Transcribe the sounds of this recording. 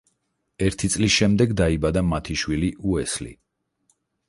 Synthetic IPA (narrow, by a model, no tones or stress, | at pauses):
ɛɾt̪ʰit̪sʼlisʃɛmd̪ɛɡd̪aibad̪amat̪ʰiʃwiliʔuɛslḭ